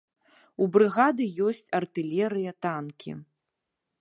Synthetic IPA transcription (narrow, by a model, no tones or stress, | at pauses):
ubɾɨɣad̪ɨjɔsʲt͡sʲɐrt̪ɨlʲɛɾɨjɐt̪ankʲʰḭ